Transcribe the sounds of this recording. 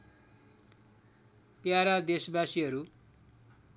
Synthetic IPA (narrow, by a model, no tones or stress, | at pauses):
pjaɾad̪esbasiɦʌɾu